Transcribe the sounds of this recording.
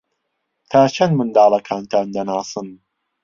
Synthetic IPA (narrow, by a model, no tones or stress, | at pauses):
t̪ʰaːt͡ʃʰɐnd̪mɨnd̪ɑːlˠɐkʰaːnt̪ʰaːnd̪ɐnaːsɨn